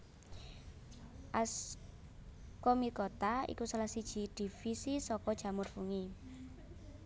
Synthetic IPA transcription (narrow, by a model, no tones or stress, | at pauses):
ʔas | komikɔt̪aḭkusalahsid̥ʒ̥i̤d̪̥i̤fisisɔkɔd̥ʒ̥a̤mʊrfuŋi